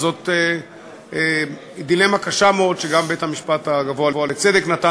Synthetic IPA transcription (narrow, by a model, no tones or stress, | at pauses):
zo̞t̪e | id̪ilemakaʃameod̪ʃeɡambethamiʃpat̪aɡavoavoalet͡se̞d̪eknat̪a